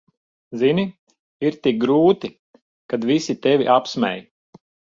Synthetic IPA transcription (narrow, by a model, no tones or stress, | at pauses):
zini | iɾt̪ik̚ɡɾuːt̪i | kad̪visit̪evʲḭʔapsmɛ̰j